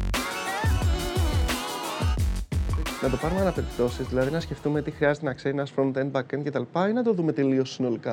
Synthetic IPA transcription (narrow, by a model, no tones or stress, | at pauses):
nɐt̪o̞pɐɾumeɐnɐpe̞ɾipt̪o̞sizðilɐðinɐsce̞ft̪ume̞t̪ixɾiɐzet̪e̞nɐkse̞ɾinɐsfɾont̪en̚bɐkencet̪ɐlipɐinɐt̪o̞ðume̞t̪e̞lio̞sːino̞likɐ